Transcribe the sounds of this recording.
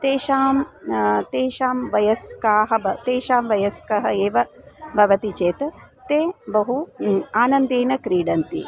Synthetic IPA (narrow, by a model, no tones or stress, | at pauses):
t̪eːʃaːmt̪eːʃaːmʋɐjɐskaːɦɐbɐt̪eːʃaːmʋɐjɐskɐɦɐeːʋɐbʱɐʋɐt̪it͡ʃeːt̪ɐ | t̪eːbɐɦuaːnɐnd̪eːnɐkɾiːɖɐnt̪ḭ